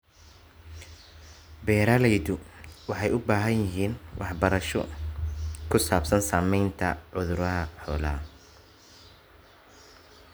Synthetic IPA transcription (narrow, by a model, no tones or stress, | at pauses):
bɛːɾaːlɛjðʊwɑħɑjʊbaːɦɐnjɪɦiːnwʔɑ̰ħbɐɾɐʃɔ̰ | kʰʊsaːbsɐnsaːmɛjnt̪ʰɐ̰ʕʊðʊɾɐɦɐħɔːlaː